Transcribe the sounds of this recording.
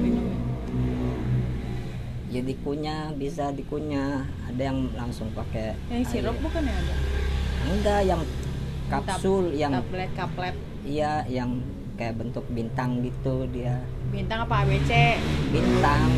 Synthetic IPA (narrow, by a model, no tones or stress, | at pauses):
in | d͡ʒadikuɲa | bisadikuɲa | a̰dajaŋlaŋsʊŋpake | aŋsiɾʊbukanaadaadajaŋ | kapsʊljaŋlɛkaplɛt̪̚ | ijajaŋ | kajaʔbənt̪ʊk̚bint̪aŋɡit̪udia | bint̪aŋapaːwet͡ʃebint̪aŋ